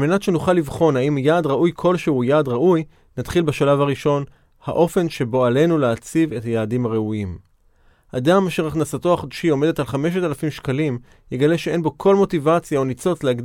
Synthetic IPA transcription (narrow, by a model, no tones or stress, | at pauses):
almenatʃe̞nuχalːivχo̞naimjaːdʁaʔujkʰo̞lʃehujaːdʁaʔuj | nat̪χilbeʃalavaʁiʃo̞n | ha̰ʔo̞fe̞nʃe̞bo̞ale̞nuleat͡sive̞thajaːdimhaʁeuim | hadamaːʃe̞ʁaχnasato̞aχod̪ʃio̞me̞detalχame̞ʃ̬etalafimʃkalim | jeɡale̞ʃee̞nbo̞kʰo̞lmo̞tivat͡sjao̞nit͡so̞t͡slehaɡd